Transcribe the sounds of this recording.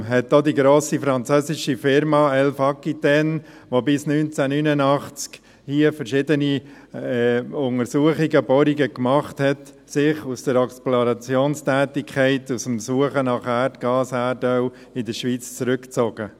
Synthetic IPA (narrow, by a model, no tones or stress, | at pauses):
ɦɛt̚ːodiɡɾoːsifɾɑnt͡søːsɪʃifɪɾmɑɛlfɑkːitɛn | ʋobɪsnynt͡sænynənɑχt͡sk | hiəfəɾʃɪdəni | ɛʊŋəɾsuəχiɡəbɔɾiɡəkmɑχthɛt | sɪχusd̥əɾɛksploɾɑt͡sjoːnstæːtɪkʰχɛɪtusmsuəχənɑχærtɡ̥ɑːsæɾdœʊ | ɪdəʃʋiːt͡st͡sɾʏkt͡soɡ̥ə